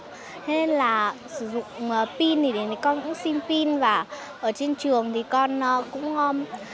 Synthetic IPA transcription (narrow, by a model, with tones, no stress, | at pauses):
t̪ʰe˧ne˧nlaː˨˩sɨ˧˩zʊ̰˧˨ŋ͡mŋ͡mə˨˩pi˧nt̪i˨˩ɗe˨˩n˨˩kɔ˧nɲɨ̰˧˥ŋsi˧npi˧nvaː˨˩ | ʔəː˧˩t͡ɕe˧nt͡ɕɨ˨˩əŋt̪ʰi˨˩kɔ˧nː˧kʊ̰˧˥ŋ͡mə˧